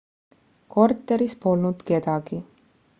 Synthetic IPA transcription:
ko̞rt̪ːˑe̞ɾispo̞lnud̪̥ke̞d̪̥ɑɡ̥i

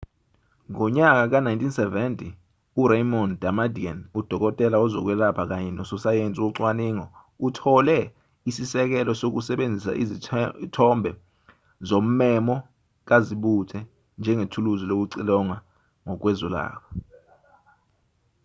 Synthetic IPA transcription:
ŋɔɲak̬ak̬anajntʼinsɛvɛntʼi | uɾejmɔndamadianud̥ʱɔk̬ʼɔtʼɛlaɔzɔk̬wɛlapʰak̬aɲɛnɔsɔsajent͡sʼiuǀwaniːŋɔ | utʰɔlɛ | isisɛk̬ɛlɔsok̬usɛɓend͡zʱisa̰ʔḭzitʰɔmbʱɛ | zom̩mɛmɔ | k̬aziɓutʰɛ | nd͡ʒʱɛŋetʰuluzilok̬uǀilɔŋa | ŋɔk̬wɛzɔla̰ːk̬ʰɔ

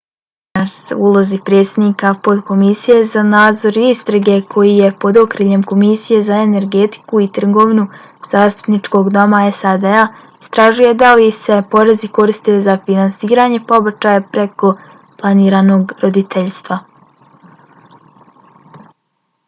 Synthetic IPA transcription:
nasulˠo̞zipɾet̪sed̪nikapod̪ko̞misije̞zanaːd̪zo̞ɾist̪ɾaɡe̞kʰo̞jije̞po̞d̪o̞kɾiʎe̞mko̞misije̞zae̞ne̞ɾɡe̞t̪i̥kuit̪r̩ɡo̞ːʋnu | z̥aːst̪u̥pnit͡ʃko̞ɡd̪o̞maesad̪ea | ist̪ɾaʒuje̞d̪alise̞po̞ɾe̞ziko̞ɾist̪e̞zafinansiːɾaːɲe̞po̞bat͡ʃajapɾeko̞ | plˠaniːɾaːno̞ɡɾo̞d̪it̪ʰeʎst̪ʋa

